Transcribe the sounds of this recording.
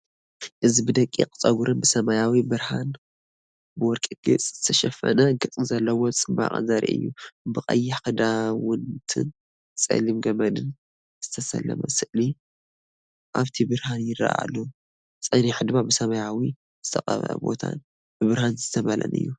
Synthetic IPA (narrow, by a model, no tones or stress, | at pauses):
ʔɨzibɨd̪ɐkʼːḭkʼt͡sʼɐɡuɾɨnbɨsɐmajawibɨɾhan | bɨwɔɾkʼɨɡ̥ɨt͡sʼz̥ɨt̪ʰɐʃɐfɐ̰naɡɨt͡sʼɨzɐlːɐwot͡sʼɨba̰χʼɨ̰nzɐɾḭʔɨ̰jːubɨqʼɐ̰jːɪħkʰɨd̪awʊnt̪ʰɨ̰n | sʼɐ̰limɡɐmɐd̪ɨn | z̥ɨt̪ʰɐsɐ̰lːɐ̰mɐ̰sɨʔli | ʔaβt̪ʰibɨɾhanjɪra̰ʔa̰lːɐw | sʼɐniħɨd̪ɨbabɨsɐmajawi | z̥ɨt̪ʰɐqʼɐβɐ̰ʔɐ̰bo̞̰t̪ʰa̰n | b̥ɨbɨɾhanzɨt̪ʰɐβɐlɐ̰nɨ̰jːu